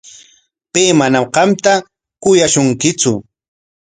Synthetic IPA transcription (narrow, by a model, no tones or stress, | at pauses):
peːmanamqɑmt̪a | kʊjaʃʊŋkɪt͡sʊ